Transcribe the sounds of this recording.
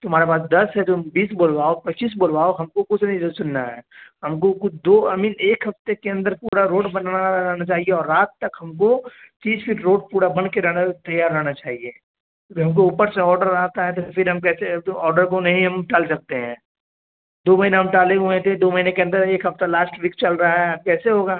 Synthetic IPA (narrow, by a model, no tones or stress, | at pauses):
t̪oɦmaːɾepaːs̬d̪ɐsɦɛd͡ʒ̪ombiːsboːlwaːopɐt̪ːʃiːs̬boːlwaːoɦɐmkokʊt͡ʃʰnɐɦĩd͡ʒosʊnːaɦɛ̰ːɦɐmkokʊt͡ʃʰd̪oːɐmiːneːkɦɐft̪ekeɐ̃nd̪əɾpuːɽaɾoːʈbɐnanaɾɐɦnat͡ʃaːɦieɔːɾːaːt̪ːɐkɦɐmk̬o | t͡ʃ̪iːsfʰiːʈɾoːʈ̚puːɽabɐɽkeɾɐnat̪ɐjaːɾːɐɦnat͡ʃaːɦie | ɦɐmk̬ouːpəɾseɔːɾɖəɾːaɦt̪aɦɛ̃t̪̬ofʰɪɾɦɐmkɛːseɔːɾɖəɾk̬onɐɦĩɦɐmʈaːlsɐk̚t̪eɦɛ̃ː | d̪oːmɐɦineɦɐmʈaːleɦõẽt̪ʰed̪oːmɐɦinekeɐ̃nd̪əɾeːkɦɐft̪alaːsʈʋiːkt͡ʃɐlɾɐɦaɦɛkɛːseɦoːɡaː